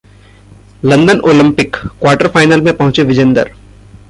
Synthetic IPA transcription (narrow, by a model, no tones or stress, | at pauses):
lɐ̃nd̪ənʔoːlɪ̃mpɪkːwaːɾʈəɾfaːɪnəːlmẽpɐ̃ɦʊ̃t͡ʃeʋɪd͡ʒə̃nd̪ə̰ɾ